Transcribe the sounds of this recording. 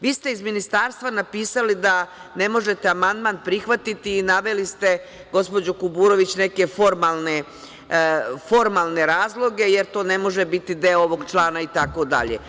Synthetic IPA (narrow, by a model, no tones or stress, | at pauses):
ʋiːst̪e̞izminist̪aːɾst̪vʋanapiːsalid̪ane̞mo̞ʒe̞t̪eamand̪maːnpɾixʋat̪it̪iːnaʋe̞list̪e̞ | ɡo̞spo̞d͡ʑokubuːɾo̞ʋit͡ɕne̞ke̞fo̞ɾmalˠne | fo̞ɾmalˠne̞ɾaːzlˠo̞ɡe̞jeɾt̪o̞ːne̞mo̞ʒebit̪id̪e̞oʋo̞ɡt͡ʃlˠaːnait̪ako̞d̪a̰ʎḛ